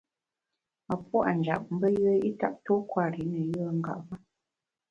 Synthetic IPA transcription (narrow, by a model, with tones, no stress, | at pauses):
a˨pwa̰˦˨n̩˨d͡ʒa̰˨p̚m̩˦bə˦jə˦i˦ta̰˦˨p̚to˦kwa˦˨ɾi˨˦nə˨jə˦ŋ̩˦ɡa̰˦˨ʔva˦